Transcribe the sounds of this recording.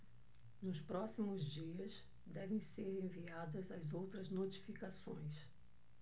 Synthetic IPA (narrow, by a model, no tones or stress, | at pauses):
nʊspɾɔsimʊzd͡ʒiɐs | d̪ɛvẽj̃seɾẽviad̪ɐzɐzowt̪ɾɐznot͡ʃi̥fikasõ̰j̃s